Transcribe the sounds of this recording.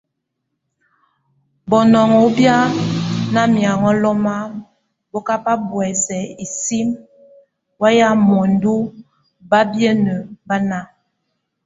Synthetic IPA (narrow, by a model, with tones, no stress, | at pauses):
bɔ˨nɔ˨ŋɔ˨˦bja˦na˦mja˨ŋɔ˦lɔ˦ma˦ | bɔ˦ka˦pa˦bwɛ˨sɛ˨i˨si˦m | wa˦ja˦mɔ˨n˦du˦ | ba˦bjə˦nə˨ba˦na˦